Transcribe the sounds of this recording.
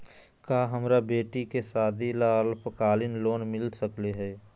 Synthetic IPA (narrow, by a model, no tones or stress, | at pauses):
kaːɦəmɾabeːʈikesaːd̪ʱilaːlpəkaːlɪnloːnmɪlsəkleɦɛː